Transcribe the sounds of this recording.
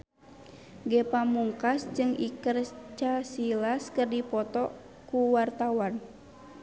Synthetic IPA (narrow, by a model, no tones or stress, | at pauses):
ɡɛpamuŋkasd͡ʒɨŋikərt͡ʃasilaskɨrdipɔt̪ɔ | kuwart̪awan